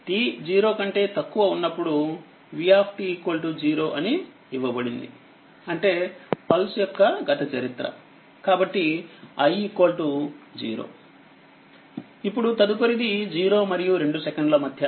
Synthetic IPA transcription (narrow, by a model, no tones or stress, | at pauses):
ʈiːd͡ʒiːɾo̞ːkɐɳʈe̞ːt̪ɐkːuʋɐunːɐpːuɽu | ʋiaːpʰʈikoːlʈud͡ʒiːɾo̞ːʔɐniː | ʋːɐbɐɽind̪ḭ | ɐɳʈe̞ːpɐlsjɔkːɐɡɐt̪ɐt͡ʃɐɾit̪ɾɐ̰ | kaːbɐʈːiɐjikoːlʈud͡ʒḭːɾo̰ː | ipːuɽut̪ɐd̪uk̬oɾid̪id͡ʒiːɾo̞ːmɐɾijuɾe̞ɳɖusɛkɐɳɖlɐmɐd̪ʱjɐ